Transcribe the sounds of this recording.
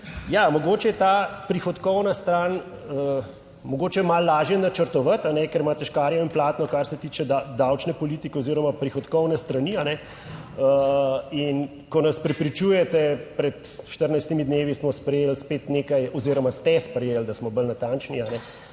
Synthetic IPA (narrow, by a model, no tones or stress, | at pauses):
jamɔɡoːt͡ʃɛjɛt̪aːpɾixɔt̪kɔwnast̪ɾaːn | mɔɡoːt͡ʃɛmalːaːʒjɛnat͡ʃəɾt̪ɔʋat̪anɛkɛɾmaːt̪ɛʃkaːɾjɔimplaːt̪nɔkaɾsɛt̪iːt͡ʃɛd̪ad̪awt͡ʃnɛpɔliːt̪ikɛoziːɾɔmapɾixɔt̪kɔwnɛst̪ɾɐnianɛ | əin | kɔnɐspɾɛpɾit͡ʃuːjɛt̪ɛpɾɛt̪ʃt̪əɾnajst̪imid̪neːʋismɔspɾɛjeːlspeːt̪neːkajɔziːɾɔmast̪ɛspɾɛjeːld̪asmɔbəlnat̪ant͡ʃnianɛ